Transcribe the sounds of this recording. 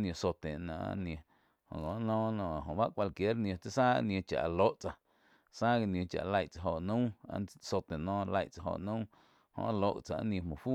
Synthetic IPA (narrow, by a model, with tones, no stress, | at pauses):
nĩ˧õ˧so˧t̪e˨ʔnã̰˨ʔa̰˦nĩ˧ẽ˧ | hõ̰˨ŋõ˨ʔnɔ̃ː˦nɔ̃˧˨ɦõ˨ba˦ʔkʷa˧lkje˨˦ɾnj̃õ˧t͡se˦saː˦a̰˧˦nj̃õ˧t͡ʃa̰˨ʔa˨lo˦ʔt͡sa˧ | saː˦ɡe˧nj̃õ˧t͡ʃa̰˨˧la˧jʔt͡sa˧ɦo˧˨ʔnũ˦a˧so˧t̪e˨nɔ̃ː˦˧la˧˨jʔt͡sa˧ɦo̰˧˨ʔnũ˦ | hõ̰˧ʔlo˧ʔt͡sa˧ʔa̰˦nj̃ẽ˧mõ˨fu˦